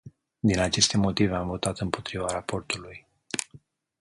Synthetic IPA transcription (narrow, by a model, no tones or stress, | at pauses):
d̪inat͡ʃe̞st̪e̞mo̞t̪ive̞amvo̞t̪at̪ɨmpo̞t̪ɾivaɾapo̞rt̪uluj